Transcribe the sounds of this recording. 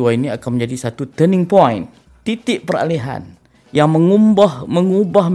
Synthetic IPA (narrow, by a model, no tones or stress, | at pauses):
uainiakanmə̃ɲd͡ʒadisat̪ut̪ənɪ̃ŋpɔjn | t̪it̪ɪʔpəɾa̰leɦa̰n | jaŋməŋumbahməŋubahm